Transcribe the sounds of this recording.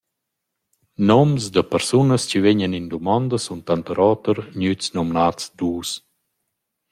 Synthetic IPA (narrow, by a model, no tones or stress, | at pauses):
nɔmzd̪əpəɾsunəst͡ɕiveɲənind̪umɔnd̪əsunt̪ant̪əɾɔːt̪əɾɲyt͡snɔmnat͡sd̪uːs